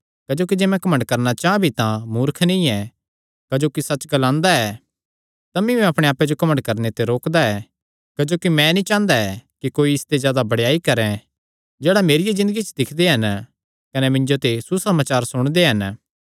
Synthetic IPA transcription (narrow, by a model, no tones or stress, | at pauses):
kɐːd͡ʒoːk̬id͡ʒeːmɛ̃kɐmə̃ɳɖkɐɾnat͡ʃaːãbʱit̪ãmʊːɾkʰnĩɛ | kɐd͡ʒoːkisɐt͡ʃɡɐlãːnd̪aɛː | t̪ɐmĩmɛ̃ɐpɽ̃eaːped͡ʒokɐməɳɖkɐɾnet̪eɾoːkd̪aɛ | kɐd͡ʒoːkimɛ̃nĩt͡ʃãːnd̪aɛkikoːiɪst̪ezjaːd̪abɐɽjaːikɐɾɛ̃ | d͡ʒeːɽameːɾɪjezɪ̃nd̪əɡit͡ʃd̪ɪkʰd̪eɦɐn | kɐnɛmɪ̃ɲd͡ʒot̪esusɐmaːt͡ʃaːɾsʊɽ̃d̪eɦɐn